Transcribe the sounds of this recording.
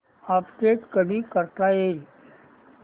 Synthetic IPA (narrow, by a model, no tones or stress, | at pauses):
apʈeʈkənĩːkəɾt̪aje